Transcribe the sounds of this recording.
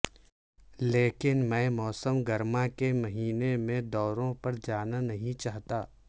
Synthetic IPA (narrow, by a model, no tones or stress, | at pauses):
leːkɪnmɛ̃ːmɔːsəmɡɐɾmakemɐɦiːnemẽd̪ɔːɾõpɐɾd͡ʒaːnanɐɦĩt͡ʃaːɦt̪aː